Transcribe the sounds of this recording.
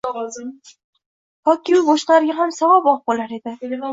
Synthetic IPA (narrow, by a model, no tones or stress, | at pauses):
hɒkʲɪmbɒʃqlaɾɪɡʲaɦamsavabɒq̚bolaɾe̞d̪ɪ